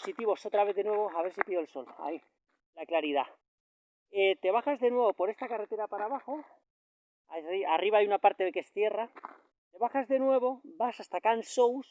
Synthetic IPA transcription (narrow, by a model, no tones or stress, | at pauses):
osit̪iβo̞so̞t̪ɾaβe̞ððe̞nwe̞β̞o̞aβe̞ɾsipiðoelso̞la̰i | laklaɾiða | et̪e̞βaxazðe̞nwe̞βo̞po̞ɾe̞st̪akare̞t̪e̞ɾapaɾaβaxo̞ | asiʔariβaajunapaɾt̪e̞ðeke̞sθje̞ra | t̪e̞βaxazðe̞nwe̞β̞o̞basast̪akansows